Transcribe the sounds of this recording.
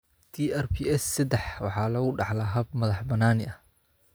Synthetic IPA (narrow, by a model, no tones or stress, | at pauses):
t̪ʰiːʔɛrpʰiɛsːɐd̪ɛħwɑħɑːlɐɣʊɖɑħlɐɦɐb̚mɐðɑħbɐnaːnɪʔɐh